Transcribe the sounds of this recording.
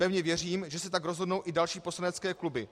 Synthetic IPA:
pɛvɲɛvjɛr̝iːmʒɛsɛt̪aɡɾozɦodnowʔɪdalʃiːposlanɛt͡skɛːklubɪ

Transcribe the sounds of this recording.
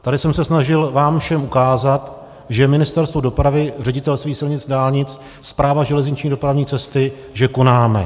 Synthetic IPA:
t̪adɪsɛmsɛsnaʒɪlvaːmfʃɛmʔukaːzat̪ | ʒɛmɪnɪst̪ɛɾst̪vodo̞pɾavɪr̝ɛɟɪt̪ɛlst̪viːxsɪlɲɪt͡sdaːlɲɪt͡s | spɾaːvaʒɛlɛzɲɪt͡ʃɲiːdo̞pɾavɲiːt͡sɛst̪ɪ | ʒɛko̞naːmɛ̰

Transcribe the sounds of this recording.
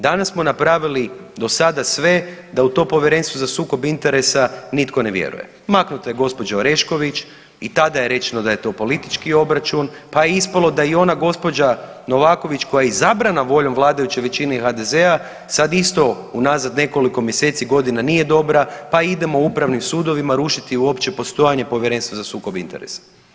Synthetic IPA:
d̪anassmo̞napɾaːʋilid̪o̞sad̪asʋe̞d̪aut̪o̞po̞ʋjeɾe̞nst̪ʋozasuːko̞bint̪e̞ɾe̞sanit̪kone̞ʋjḛɾṵje̞̰ | maknut̪oje̞ɡo̞spo̞d͡ʒaoɾe̞ʃko̞ʋit͡ʃ | it̪ad̪ajeɾe̞t͡ʃe̞nod̪aje̞t̪o̞po̞lit̪i̥t͡ʃkio̞bɾat͡ʃunpajeispalˠo̞d̪aio̞naɡo̞spo̞d͡ʒano̞ʋaːko̞ʋit͡ʃko̞jaizabɾanaʋo̞ʎo̞mʋlˠaːd̪ajut͡ɕe̞ʋe̞t͡ɕineixad̪e̞zea | sad̪ist̪o̞unazad̪ne̞ko̞liko̞mjese̞ːt̪siɡo̞d̪inanije̞d̪o̞bɾapaid̪e̞moupɾaʋnimsuːd̪o̞ʋimaɾuʃit̪iuo̞pt͡ʃe̞po̞st̪o̞jaɲe̞po̞ʋjeɾenst̪ʋazasuːkobḭnt̪eɾḛsḁ

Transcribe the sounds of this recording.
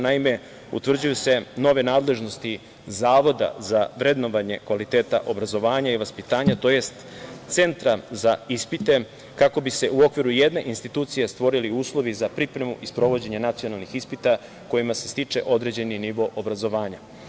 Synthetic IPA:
naime̞ | ṵt̪ʋr̩d͡ʑujuse̞no̞ʋe̞naːd̪le̞ʒno̞st̪i | zaːʋo̞d̪a̰zaʋɾe̞d̪no̞ʋaɲe̞kʋalit̪e̞ːt̪a̰ʔo̞bɾazo̞ʋaːɲaiʋaspit̪aːɲat̪o̞je̞st̪ | t̪se̞nt̪ɾazaispit̪e̞ | kako̞bise̞ʔuo̞kʋiɾuje̞d̪ne̞ʔinst̪it̪uːt̪sijest̪ʋo̞ɾiliuːslˠo̞ʋizapɾipɾe̞muʔispɾo̞ʋo̞d͡ʑe̞ɲenat̪sijo̞nalˠnixispit̪a | ko̞jimasest̪it͡ʃe̞̰ʔo̞d̪ɾe̞d͡ʑe̞niniʋo̞ʔobɾazo̞ʋaːɲa

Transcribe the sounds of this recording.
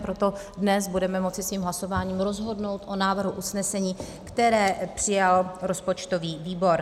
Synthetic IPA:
pɾot̪o̞ | dnɛsbudɛmɛmo̞t͡sɪsviːmɦlaso̞vaːɲiːmɾo̞zɦo̞dno̞wt̪ʔo̞naːvr̩ɦuʔusnɛsɛɲiː | kt̪ɛɾɛːpr̝̥ɪjalɾo̞spo̞t͡ʃt̪o̞viːviːbo̞ɾ

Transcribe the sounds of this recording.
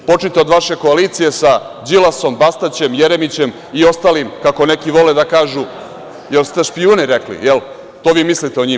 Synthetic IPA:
po̞t͡ʂnit̪eod̪ʋaʃe̞ko̞aliːt̪sije̞sa | d͡ʑilaso̞mbast̪at͡ɕe̞mjeɾemit͡ɕe̞m | io̞st̪aːlimkako̞ne̞kiʋo̞led̪akaːʒu | jelst̪eʃpijuːnɛɾeklḭjel | t̪oːʋiːmislit̪eoɲiːm

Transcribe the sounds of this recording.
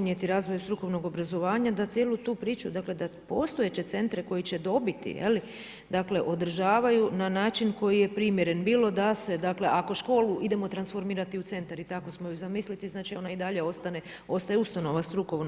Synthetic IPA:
nje̞t̪iɾaːzʋo̞just̪ɾuko̞ʋno̞ɡo̞bɾazo̞ʋaːɲad̪at̪sjeːlˠut̪uːpɾiːt͡ʃud̪akle̞d̪apo̞st̪oet͡ɕe̞t̪se̞nt̪ɾeko̞jit͡ɕe̞d̪o̞bit̪ḭjḛli | d̪akle̞ʔo̞d̪r̩ʒaːʋajunanaːt͡ʃinko̞jije̞pɾimje̞ɾe̞nbiːlo̞d̪ase̞d̪akle̞ʔako̞ʃko̞ːluʔid̪e̞mo̞t̪ɾansfo̞ɾmiːɾat̪iut̪se̞nt̪aɾit̪ako̞smojuzamislit̪iznaːt͡ʃio̞naid̪aʎe̞o̞st̪ane | o̞st̪ajeust̪ano̞ʋast̪ɾuko̞ʋn

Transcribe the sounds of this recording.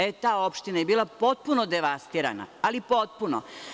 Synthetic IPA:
et̪aːopʃt̪inajebiːlˠapo̞t̪̚punod̪eʋast̪iːɾa̰na̰alipo̞t̪̚puno̰

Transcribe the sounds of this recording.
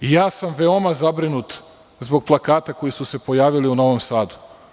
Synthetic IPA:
jaːsamʋe̞o̞mazabɾinut̪ | zbo̞ɡ̚plˠakaːt̪ako̞jisuse̞po̞jaːʋiliuno̞ʋomsaːd̪u̥

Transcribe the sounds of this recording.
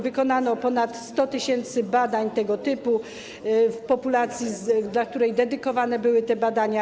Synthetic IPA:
vɘkɔnanɔpɔnat̪st̪ɔt̪ɘɕɛnt̪sɘbad̪aɲt̪ɛɡɔt̪ɘpu | fpɔpulat̪sʲjizd̪lak̚t̪uɾɛjd̪ɛd̪ɘkɔvanɛbɘwɘt̪ɛbad̪aɲa

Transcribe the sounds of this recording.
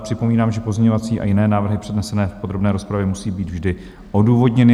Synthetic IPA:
pr̥ɪpo̞miːnaːmʒɛpo̞zɲɛɲovat͡siːʔa̰jɪnɛːnaːvr̩ɦɪpr̥ɛdnɛsɛnɛːfpod̪ɾo̞bnɛːɾo̞spɾavjɛmusiːbiːd̪vʒdɪ | ʔo̞duːvo̞dɲɛnɪ

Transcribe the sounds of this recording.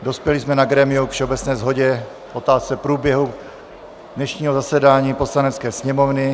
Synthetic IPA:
do̞spjɛlɪsmɛnaɡɾɛmɪukfʃɛobɛt͡snɛːzɦo̞ɟɛ | ʔo̞t̪aːst͡sɛpɾuːbjɛɦu | dnɛʃɲiːɦozasɛdaːɲiːpo̞slanɛt̪t͡skɛːsɲɛmovnɪ

